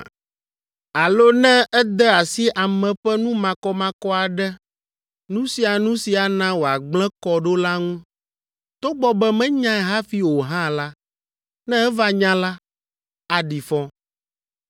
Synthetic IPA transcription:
a˨lo˦nɛ̃˦ɛ˦d̪ɛ˦a˨si˦ʔa˨mɛ̃˨ɸɛ˦nũ˦mã˨kɔ˦mã˦kɔ˦a˨ɖɛ˦ | nũ˦si˨a˨nũ˦si˨a˨nã˦wo˨a˨ɡ͡blɛ̃˦kɔ˨ɖo˦la˦ŋũ˦ | t̪o˦ɡ͡bɔ˦bɛ˦mɛ̃˦ɲã˦ɛ˨ɦa˦fi˦wo˨ɦã˦la˦ | nɛ̃˦ɛ˦va˦ɲã˦la˦ | a˨ɖi˨fɔ̃˦

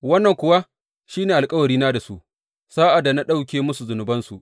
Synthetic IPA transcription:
wɐ˦nːɐ˨ŋkʷʊ˨wa˦ | ʃiː˦neː˨ʔa˨lkʼɐ˦wɐ˨ɾiː˦naː˦da˨sṵ˦ʔ | saː˦ʔa˨dːa˨na˦ɗa˦wkʲeː˦mʊ˦su˨zʊ˨nʊ˨bɐ˦nsu˨ʔ

